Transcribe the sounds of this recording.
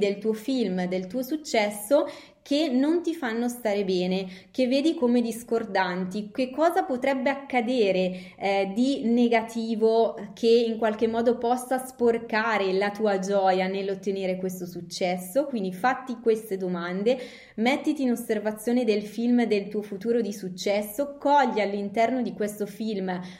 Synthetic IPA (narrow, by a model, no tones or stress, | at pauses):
d̪elt̪uːofilmd̪elt̪uːosut͡ʃːɛsːo | kʰenont̪ifanːost̪aːɾebɛːnek̟evːeːd̪ikomed̪iskord̪ant̪ikekːɔːzapot̪ɾɛbːeakːad̪eːɾe | d̪ineɡat̪iːvokʰeiŋkwalkemːɔːd̪opɔsːasporkaːɾelat̪uːad͡ʒɔːjanelːot̪ːeneːɾekwest̪osut͡ʃːɛsːokwind̪ifat̪ːikwest̪ed̪omand̪e | mɛt̪ːit̪iːnosːervat̪sːjoːned̪elfilmd̪elt̪uːofut̪uːɾod̪isut͡ʃːɛsːokɔʎːialːint̪ɛrnod̪ikwest̪ofilm